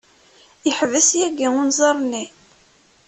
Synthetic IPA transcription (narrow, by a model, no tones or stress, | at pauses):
jəħəvəsjæɡiʊnzˤɑɾˤni